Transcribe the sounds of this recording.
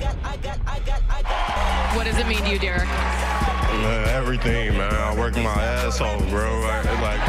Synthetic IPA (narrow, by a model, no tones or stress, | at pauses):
wʌt̚ʌzɨt̚mĩndʉdɪɹ | ʌɛvɹiθɪ̃ŋmæ̃naɪlˠwɜ˞kmaɪæ | saɪlˠɡɹoʊ | laɪk